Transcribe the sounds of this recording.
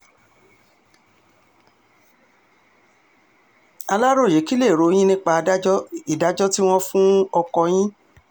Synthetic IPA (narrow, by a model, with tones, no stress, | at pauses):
a˧la˦ɾo˦˨je˨˦ki˦le˦˨ɾo˨˧j̃ĩ˦nĩ˦k͡pa˧˦i˨da˨˦d͡ʒɔ˦ti˦w̃ɔ̃˦fũ˦ɔ˧kɔ˧j̃ĩ˦